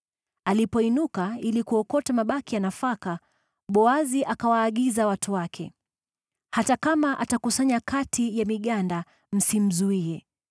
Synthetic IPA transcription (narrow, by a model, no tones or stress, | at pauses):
alipɔinukailikuɔkɔtamaɓakijanafaka | ɓɔaziʔakawaːɠizawatʰuwakʰɛ̰ | hatakamaʔatakusaɲakatʰijamiɠanda | m̩sim̩zuiɛ